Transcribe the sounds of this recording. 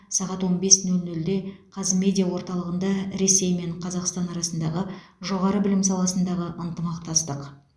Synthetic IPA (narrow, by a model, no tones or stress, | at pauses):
sɑʁɑt̪wo̞nbe̞snʉlʲnɵld̪e̞qʰɑzme̞d̪ʲijawo̞ɾt̪ɑlˠəʁənd̪ɑɾe̞se̞jme̞ɴqʰɑzɑqst̪ɑnɑɾɑsənd̪ɑʁəʒo̞ʁɑɾəbɪlɪmsɑlˠɑsənd̪ɑʁəʔənt̪əmɑqt̪ɑst̪əq